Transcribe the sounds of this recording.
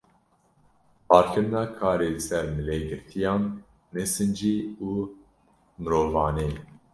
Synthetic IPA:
pɑːɾkʰɨɾnɑːkʰɑːɾeːlɨsɛɾmɨleːɡɨɾt̪ʰijɑ̃ːnː | ɛsɨnd͡ʒiːuː | mɨɾoːvɑːneː

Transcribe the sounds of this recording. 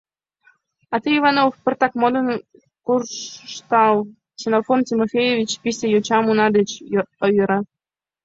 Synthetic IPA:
ɑt̪ɨivɑnofpərt̪ɑkmod̪ən | kurʃt̪ɑl | sʲenofontʲimofʲejevʲit͡ɕpisʲejot͡ɕɑmunɑd̪et͡ɕəjoɾɑ

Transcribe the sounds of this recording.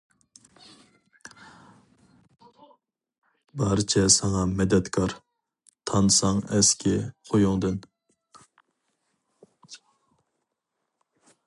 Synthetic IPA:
bɑɾɨt͡ʃʰɛsɑŋɑmɛd̪ɛt̪kʰɑɾ | t̪ʰɑnɨsɑŋɛskʲʰɛqʰojuŋd̪ɨn

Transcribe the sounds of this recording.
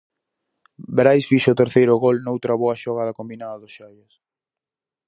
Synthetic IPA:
beɾajsfiʃʊt̪eɾθejɾʊɣolnowt̪ɾɐβɔɐʃoɣaðɐkombinaðɐðʊsʃajɐs

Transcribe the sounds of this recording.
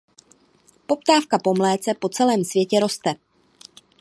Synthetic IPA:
po̞pt̪aːfkapo̞mlɛːt͡sɛpo̞t͡sɛlɛːmsvjɛcɛɾo̞st̪ɛ

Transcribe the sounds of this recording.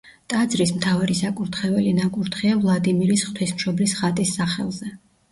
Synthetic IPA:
t̪ʼad̪zɾismt̪ʰavaɾisakʼuɾt̪ʰχɛvɛlinakʼuɾt̪χiavlˠad̪imiɾisχt̪ʰwismʃɔblisχat̪ʼisːaχɛ̰lˠzɛ

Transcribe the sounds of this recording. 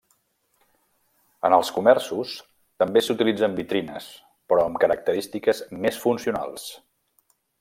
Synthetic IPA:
ənəlˠskumɛrsus | t̪əmbesut̪ilid͡zəmbit̪ɾinə̰s | pɾɔəmkəɾək̚t̪əɾist̪ikəzmesfunsiuna̰lˠs

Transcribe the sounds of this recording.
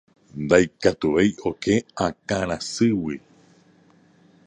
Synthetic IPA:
nd̪ajkat̪uβe̞jʔo̞ke̞ãkãɾ̃ãsɨwi

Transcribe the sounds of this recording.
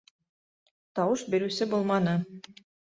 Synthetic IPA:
t̪ɑwɤʃbiɾʉsɘbulˠmɑnɤ

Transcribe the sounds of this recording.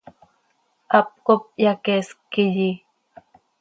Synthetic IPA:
ap̚kop̚jakeskiʎi

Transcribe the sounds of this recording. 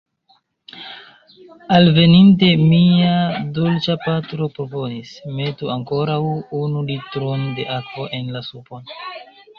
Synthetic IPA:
alve̞ninte̞miadolt͡ʃapatɾo̞pɾo̞po̞nisme̞tuaŋko̞ɾawunulitɾonde̞ʔakvo̞ʔe̞nlasupo̞n

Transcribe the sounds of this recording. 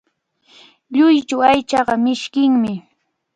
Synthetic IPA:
ʎʊjt͡ʃawajt͡ʃɑɢɑmɪʃkɪŋmɪ

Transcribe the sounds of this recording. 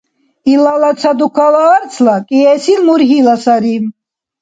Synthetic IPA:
ilalat͡sʰad̪ukʰalaːɾt͡sʰlakʼiɛsilmuɾɦilasaɾim

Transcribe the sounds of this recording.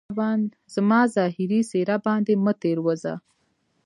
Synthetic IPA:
wɑn | z̥əmɑzɑːɦɪɾiseɾabɑnd̪emət̪eɾwəza̰

